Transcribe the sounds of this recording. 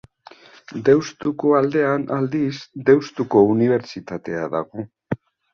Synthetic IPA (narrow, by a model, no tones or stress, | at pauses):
d̪e̞wst̪uko̞ald̪e̞anald̪isd̪e̞wst̪uko̞uniβ̞e̞ɾt͡ʃit̪at̪e̞aðaɣo̞